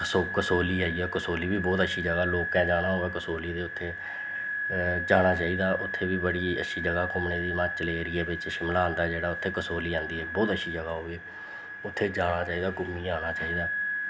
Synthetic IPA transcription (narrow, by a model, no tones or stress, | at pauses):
sokəsoːliːaːiɛːkəsoːliːbiːbɔːt̪əʃʰiːd͡ʒəɡaːloːkːɛ̃ːd͡ʒaːɽaːɦoːɛːkəsoːliːd̪eːʊt̪ʰːeː | d͡ʒaːɽ̃aːt͡ʃaːiːd̪aːʔʊt̪ʰːeːbiːbəɽiːə̰ʃʰiːd͡ʒəɡaːkʊmneːd̪iːmãːt͡ʃəleːɾieːbɪt͡ʃʃɪmlaːɦə̃nd̪aːd͡ʒeːɽaːʊt̪ʰːeːkəsoːliːãːnd̪iːɦɛːbɔːt̪əʃʰiːd͡ʒəɡaːɦoːiː | ʊt̪ʰːeːd͡ʒaːɽaːt͡ʃaːiːd̪aːɡʊmːiːaːñaːt͡ʃaːiːd̪aː